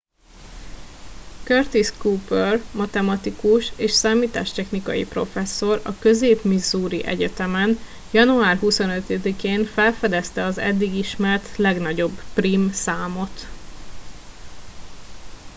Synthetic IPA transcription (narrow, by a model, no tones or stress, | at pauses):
kørt̪iskuːpørmɒt̪ɛmɒt̪ikuʃeːʃsaːmiːt̪a̰ːʃt̪ɛxnikɒ̰jḭpro̞̰fɛsːo̞ɾɒ̰kø̞zeːpmizuːɾiʔɛ̰ɟɛt̪ɛmɛn | jɒnuaːrɦuso̞nøt̪ɛd̪ikeːnfɛlfɛd̪ɛst̪ɛɒzɛ̰d̪ːiɡiʃmɛrt̪lɛɡnɒɟo̞bpriːmsaːmo̞t̪